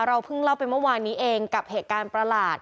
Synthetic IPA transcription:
ɾa˧wpʰɯ˥˩ŋla˥˩wpa˧jmɯ˥˩˨waː˧nːiː˦˥ʔeː˧ŋka˨˩p̚heː˨˩t̪̚kaː˧npɾa˧laː˨˩t̪̚

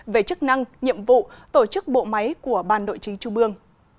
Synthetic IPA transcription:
ve˨˩t͡ɕɨ˦˥k̚na˧ŋɲḭ˧˨əmvṵ˧˨t̪o˧˩t͡ɕɨ˦˥k̚ɓo̰˧˨ma˨˦jku˧˩əɓaː˧˩nɗo̰˧˨jt͡ɕï˨˦ŋt͡ɕu˧ŋ͡mʔɨ˧əŋ

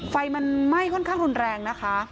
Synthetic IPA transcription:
fa˧jma˧nma˥˩jkʰɔ˥˩nkʰaː˥˩ŋɾu˧nɾɛː˧ŋna˦˥kʰa˦˥

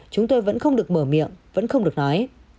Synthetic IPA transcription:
t͡ɕʊ˨˦ŋ͡mt̪o˧jvə̰˧˥nxə˧wŋ͡mɗɨ˨˩ək̚məː˧˩mḭ˧˨əmvə̰˧˥nxə˧wŋ͡mɗɨ˨˩ək̚nɔ˨˦j

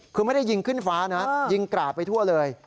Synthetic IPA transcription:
kʰɯː˧ma˥˩jda˥˩jːi˧ŋkʰɯ˥˩nfaː˦˥na˦˥ji˧ŋkɾaː˨˩p̚pa˧jt̪ʰu˥˩ɐlɤː˧j

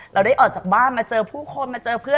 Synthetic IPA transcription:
ɾɛː˧wda˥˩jʔɔː˨˩t͡ɕaː˨˩baː˥˩nmaː˧t͡ɕɤː˧pʰuː˥˩kʰo˧nmaː˧t͡ɕɤː˧pʰɯ˥˩ə

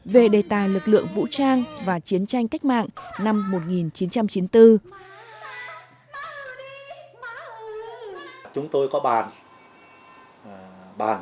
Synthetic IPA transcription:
ve˨˩ɗe˨˩t̪aː˨˩jlɨ˨˩k̚lɨ̰˧˨əŋvṵ˧˥t͡ɕaː˧ŋvaː˨˩t͡ɕi˨˦ənt͡ɕa˧jŋ̟ka˦˥k̟̚ma̰ː˧˨ŋna˧mːo˨˩t̚ŋi˨˩nt͡ɕi˨˦nt͡ɕa˧mt͡ɕi˨˦nt̪ɨ˧ | t͡ɕʊ˨˦ŋ͡mt̪o˧jkɔ˨˦ɓaː˨˩n | ɓa̰ː˨˩n

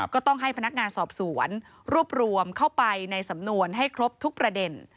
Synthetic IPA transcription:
kɔː˥˩t̪ɔ˥˩ŋɦa˥˩jpʰa˧na˦˥k̚ŋaː˧nsɔː˨˩p̚su˨˩˦ən | ɾu˥˩əp̚ɾu˧əmkʰa˥˩wpa˧jna˧jsa˩˦mnu˧ənɦa˥˩jkʰɾo˦˥p̚t̪ʰu˦˥k̚pɾa˧de˧n

